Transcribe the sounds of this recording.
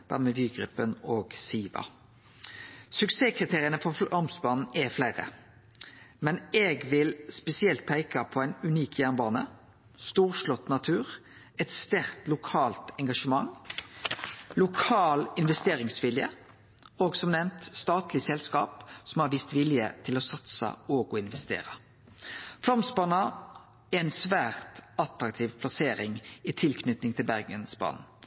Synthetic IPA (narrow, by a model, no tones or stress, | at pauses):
d̪̥æ̰ɾmɛːʋyːɡɾʏpːənoːɡsiːʋɑ̰ | sʉkseːkʰʁɪt̪ʰeːʁɪənəfɔfɑʁmsbɑːnn̩ɛflæɪɾə̰ | mɛneːɡʋɪlspɛsɪɛlt̪̚pʰæɪkɑpʰɔæɪnʉniːkʰjæʁnbɑːnə̰ | st̪uːʁʂlɔt̪ːnɑt̪ʰʉːʁ | ɛt̪st̪æʁt̪lʊkʰɑːlt̪ɛŋɡɑʂəmɑŋ | lʊkʰɑːlɪnʋɛst̪eːʁɪŋsʋɪljə̰ | oːɡsɔmnɛmt̪st̪ɑːt̪lɪsɛlskɑ̰ːpsɔmhɑɾʋiːst̪ʋɪljə̰t̪ʰɪlɔsɑt̪sə̰ɔːɡɔɪnʋɛst̪ḛːʁə | flɑmsbɑːnɑ | ɛæɪnsʋæːʁt̪ɑt̪ɾɑk̚t̪ʰiːʋpʰlɑseːɾɪŋɪt̪ʰɪlkʰnʏt̪nɪŋt̪ʰɪlbæʁɡənsbɑ̰ːn̩